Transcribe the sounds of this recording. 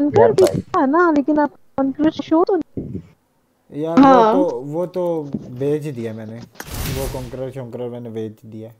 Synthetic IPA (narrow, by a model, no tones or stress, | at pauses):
nkəɾb̪ɪaɦɛnaleːkɪnaːp̚ | kɔːŋkɾəɾʃoːt̪on | jaːɦãoʋoːt̪oːbeːt͡ʃd̪iaːmɛ̃ːneːʋoːkɔːŋkɾəɾʃoːŋkɾəɾmɛ̃ːneʋeːt͡ʃd̪iːaː